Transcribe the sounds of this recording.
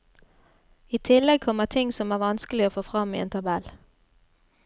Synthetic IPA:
iːt̪ʰɪlːɛɡ̚kʰɔmːət̪ʰɪŋsɔmæːʁʋɑnskəlɪoːfoːfʁɑmːiḛːnt̪ʰɑbɛl

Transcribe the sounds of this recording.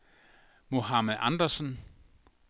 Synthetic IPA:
mo̝ɦɑmeðˠʔɑnd̥ɐsən

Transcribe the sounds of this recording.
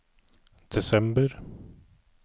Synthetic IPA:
d̪̥ɛsɛmbəɾ

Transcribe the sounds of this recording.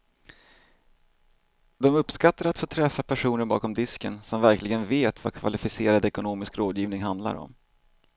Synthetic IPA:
d̪ɔmɵpːskat̪ːaɾat̪foːt̪ʰɾɛfːapʰæʂuːnəɾbɑ̰ːkɔmd̪ɪskənsɔmvæɾklɪɡənveːt̪va̰kʰva̰lɪfɪseːɾad̪ɛkʊnoːmɪskɾoːd̪jiːvnɪŋɦand̪la̰ɾɔ̰m

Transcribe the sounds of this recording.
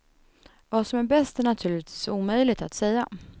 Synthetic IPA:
vasɔmæɾbɛst̪ɛnat̪ʰʉːɭɪt̪viːsuːmœjlɪɡt̪at̪sɛjːa

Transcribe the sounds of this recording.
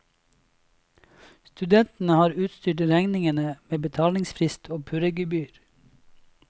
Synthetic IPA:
st̪ʉd̪ɛnt̪n̩əhɑːɾʉːt̪st̪yːʈɾæŋnɪŋənəmeːbət̪ʰɑːlɪŋsfɾɪst̪ʰoːpʰʉɾəɡʉbyːɾ

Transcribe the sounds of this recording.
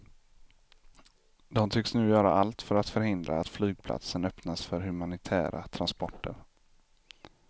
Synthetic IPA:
d̪ɔmt̪ʰʏksnʉ̟ːjœːɾa̰alt̪fœɾat̪fœɾhɪnd̪ɾa̰ːt̪flyːɡ̚pʰla̰t̪sənœpnasfœɾɦɵmanɪt̪ʰæ̰ːɾʔa̰t̪ʰɾanspɔʈʰːə̰ɾ

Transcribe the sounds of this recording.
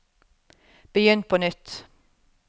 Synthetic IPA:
b̥əjʏnt̪̚pʰoːnʏt̪

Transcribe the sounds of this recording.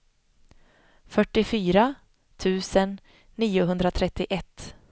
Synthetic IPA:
fœʈːɪfyːɾa | t̪ʰʉ̟ːsənː | iːʊɦɵnd̪ɾat̪ʰɾɛt̪ːɪʔɛt̪ː

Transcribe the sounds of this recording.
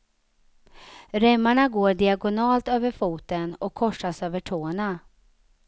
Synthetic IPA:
ɾɛmːaɳaɡoːɖɪaɡʊnɑːlt̪øːvəɾfuːt̪ənɔkʰːɔʂːasøːvəʈʰoːna

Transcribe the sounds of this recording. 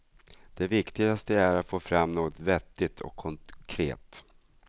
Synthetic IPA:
d̪̥ɛvɪkt̪ɪɡast̪əæɾat̪foːfɾamːnoːɡɔt̪vɛt̪ːɪt̪ʰɔ̰kʰːɔŋkʰɾḛːt̪

